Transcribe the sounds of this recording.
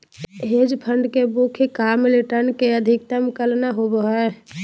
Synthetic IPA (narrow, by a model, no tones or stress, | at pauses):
ɦed͡ʒpʰəɳɖkebukʰekamliʈəɾnkeəd̪ʱɪk̚t̪əmkəlnaɦobəɦɛ